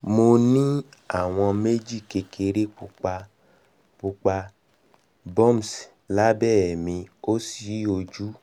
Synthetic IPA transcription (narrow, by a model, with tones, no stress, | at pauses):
mo˧nĩ˦a˦˨w̃ɔ̃˧me˦d͡ʒi˦˨ke˧kʰe˧ɾe˦k͡pu˧k͡pa˧ | k͡pu˧k͡pa˧ | bɔ˦˨m˨s | la˦bɛː˦˨mĩ˧o˦si˨˦o˧d͡ʒu˦